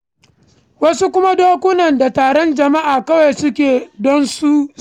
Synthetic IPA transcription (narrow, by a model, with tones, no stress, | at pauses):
wɐ˦su˦kʷʊ˦ma˦doː˦kʷʊ˦nɐ˨nda˨taː˨ɽɔ˦nd͡ʒɐ˨ma˦ʔaː˨kɐ˦wa˨sʊ˦kʲeː˨dɔ˦nsu˦